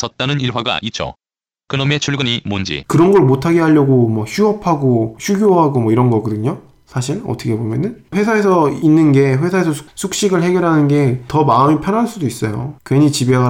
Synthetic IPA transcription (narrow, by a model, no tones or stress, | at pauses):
t͡ɕʌt̚t͈anɯniɭwaɡa̰ʔit͡ɕʰo̰ | kɯnome̞t͡ɕʰuɭɡɯɲimond͡ʑḭkɯɾʌnɡʌɭmotʰaɡe̞ɦaʎːʌɡomwʌçuɦʌpʰaɡoçʰuɡʲjoɦaɡomʌiɾʌnɡʌɡɯdɯɲo | sʰaɕ̬ʰiɭʌ̰tʰʌkʰe̞bomjʌnɯnɸwe̞sʰaɦe̞sʰʌinːɯnɡe̞ɸwe̞sʰaesʰʌsʰu̥sʰuk̚ɕ͈iɡɯɭɦe̞ɡjʌɾɦanɯnɡe̞tʌmaɯmipʰjʌnɦaɭs͈udois͈ʌjo̰kweɲit͡ɕibeaɡ